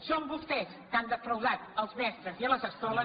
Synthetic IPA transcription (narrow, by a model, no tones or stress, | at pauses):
sombust̪ɛskand̪əfɾəwzat̪əlˠzmɛst̪ɾəziələzəst̪ɔlə